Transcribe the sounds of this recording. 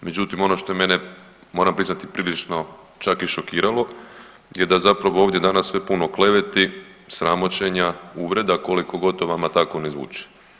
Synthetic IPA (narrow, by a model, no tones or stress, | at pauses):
me̞d͡ʒut̪imo̞no̞ʃt̪o̞eme̞ne | mo̞ːɾampɾiznat̪ipɾiːlit͡ʃno̞ | t͡ʃakiʃo̞kiːɾalo̞ | je̞d̪azapɾaʋooʋd̪ʲje̞d̪anasːʋe̞puno̞kle̞ʋe̞t̪isɾamo̞t͡ɕe̞ɲauʋɾe̞d̪ako̞liko̞ɡo̞t̪oʋamat̪ako̞nezʋṵːt͡ʃe̥